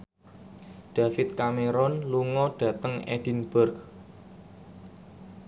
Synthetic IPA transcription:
ɖ̥a̤fɪt̪̚kameɾɔnluŋɔɖ̥ä̤t̪əŋḛɖ̥i̤nbʊrɡ

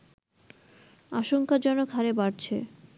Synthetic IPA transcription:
aʃoŋkad͡ʑɔnokʰaɾebaɾt͡ɕʰe

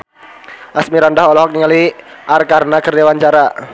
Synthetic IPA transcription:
ʔasmiɾandaɦɔlɔɦɔk̚niŋaliʔarkarnakərdewaɲt͡ʃaɾa

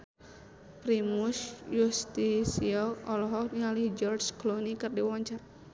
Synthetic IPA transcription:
pɾimusjust̪isiɔɔlɔɦɔkniŋalihd͡ʒɔrsklonikɨrdiwaɲt͡ʃar

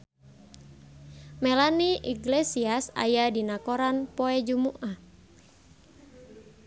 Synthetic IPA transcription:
mɛlaniʔiɡlɛsiasa̰jadinakɔɾanpɔɛd͡ʒumuʔa

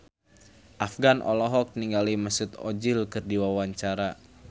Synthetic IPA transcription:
ʔafɡanʔɔ̰lɔɦɔk̚niŋɡaliməsut̪ɔd͡ʒilkɨrdiwawaɲt͡ʃaɾa

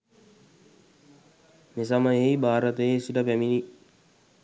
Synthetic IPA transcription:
mes̬aməjejbaːɾət̪əjesiʈəpæmini

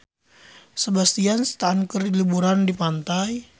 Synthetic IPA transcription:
səbast̪iansə̥t̪aɦankərilibuɾandipant̪aj

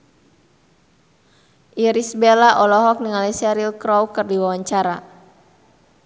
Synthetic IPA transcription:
ʔiɾisbelaʔɔlɔɦɔk̚niŋalisɛɾilkɾɔwkɨrdiwawaɲt͡ʃaɾa

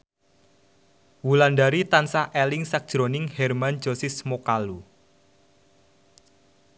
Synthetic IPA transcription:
wulandaɾit̪ansaʔɛlɪŋsak̚d̥ʒ̥ɾonɪŋhɛrman̥d͡ʒ̥osismokalu

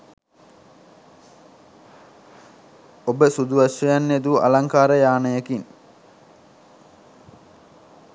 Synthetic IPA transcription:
obəsud̪uʋaʃːejanːed̪uʔa̰laŋkaːɾəjaːnəjəkiŋ

